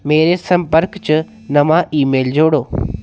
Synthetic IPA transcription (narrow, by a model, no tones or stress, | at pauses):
meːɾesɐ̃mpəɾkt͡ɕɪ | nɐmãʔiːmeːld͡ʑoːɽoː